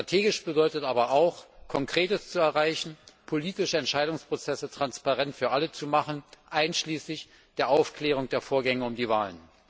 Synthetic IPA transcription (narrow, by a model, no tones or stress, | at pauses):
ʃtʁ̥atʰeːɡɪʃb̥ədɔʏtətʔaːbɐʔaʊxkʰɔŋkʁ̥eːtəst͡suɛɐʁaɪçn̩pʰoliːtɪʃəɛntʃaɪdʊŋspʁ̥ot͡sɛsətʁ̥anspaʁɛntfyːɐʔalət͡sumaχən̩ʔaɪnʃliːslɪç | d̥eːɐʔaʊfkl̥eːʁ̞ʊŋd̥eːɐfoːɐɡɛŋəʊmdiːvaːlən